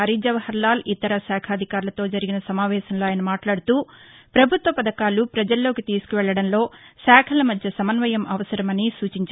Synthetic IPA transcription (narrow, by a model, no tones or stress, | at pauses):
ɐɾiːd͡ʒɐʋɐhɐɾlaːlʔit̪ɐɾɐsaːkʰaːd̪ʱikaːɾulɐt̪o̞ːd͡ʒɐɾiɡinɐsɐmaːʋɛːʃɐmloːaːjɐnɐmaːʈlaːɽut̪uːpɾɐbʱut̪ʋɐpɐd̪ɐkaːlupɾɐd͡ʒɐlːo̞ːkit̪iːsu̥kuʋɛɭːɐɽɐnlo̞ːsaːkʰɐlɐmɐd̪ʱjɐsɐmɐnʋɐjɐmʔɐʋɐsɐɾɐmɐnisuːt͡ʃiɲt͡ʃ